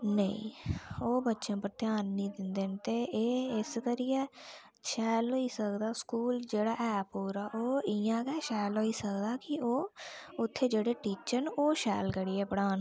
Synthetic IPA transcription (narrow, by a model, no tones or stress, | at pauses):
nəḭ̃ːoːbətːʃãːpəɾt̪ɪjaːnːĩːd̪ɪnd̪eːnt̪eːʔeːɪskəɾɪjɛː | ʃɛːloːiːsəkd̪aːskuːld͡ʒeːɽaːʔɛːpuːɾaːʔoːɪjãːkɛːʃɛːloːiːsəkd̪aːkɪoːʊt̪ʰːeːd͡ʒeːɽeːʈiːt͡ʃəɾnoːʃɛːlkəɽiːɛːpəɽaːn